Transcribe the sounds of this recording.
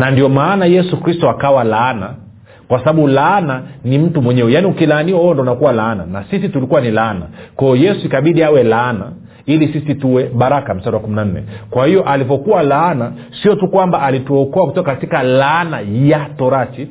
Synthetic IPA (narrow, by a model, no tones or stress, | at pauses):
nandiɔmaːnajɛsukɾistɔakawalaːna | kwasaɓaɓulaːnanim̩tumwɛɲɛwɛjaːniukilaːniahɔɔndɔnakuwalaːnanasisitulikuwanilaːna̰kɔɔjɛsuikaɓiɗiawɛlaːna | ilisisituwɛɓaɾakam̩saɗawakuminan̩nɛ̰kwahijɔʔalivɔkuwalana | siɔtukwambaʔalituɔkɔakutɔkakatikalanajatɔɾat͡ʃi